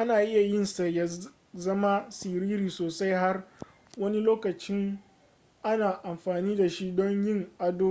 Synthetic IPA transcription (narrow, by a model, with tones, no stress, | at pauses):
ʔa˦naː˨ʔɪ˦ja˨jɪ˦nsa˨ja˦ | zɐ˦ma˦sɪ˨ɾiː˦ɾiː˨soː˨sa˦jɦa˦r | wɐ˦ni˦loː˦kɐ˨t͡ʃɪ˦ŋ | ʔa˦naː˨ʔa˨mɸaː˨niː˦da˨ʃi˦dɔ˦ɲjɪ˦˨ŋʔa˦doː˦˨